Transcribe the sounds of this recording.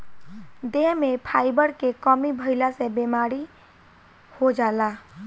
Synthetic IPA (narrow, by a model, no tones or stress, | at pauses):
d̪eɦmepʰajbəɾkekəmibʱəɪlasẽbemaɾi | hod͡ʒala